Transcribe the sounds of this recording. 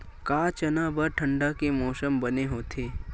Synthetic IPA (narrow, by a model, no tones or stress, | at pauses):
kaːt͡ʃɐnabəɾʈʰə̃ɳɖakemɔːsəmbɐneɦoːt̪ʰeː